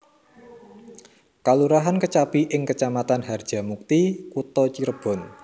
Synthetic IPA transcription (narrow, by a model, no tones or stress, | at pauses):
kaluɾaɦankət͡ʃapiʔɪŋkət͡ʃamat̪anɦard̥ʒ̥ä̤muk̚t̪ikut̪ɔt͡ʃiɾəb̥ɔ̤n